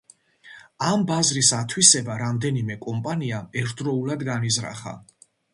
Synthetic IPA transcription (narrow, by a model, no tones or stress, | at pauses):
ambazɾisat̪ʰwisɛbaɾamd̪ɛnimɛkʼɔmpʼaniaɛɾt̪̚ʰd̪ɾɔulˠad̪ɡanizɾa̰χa̰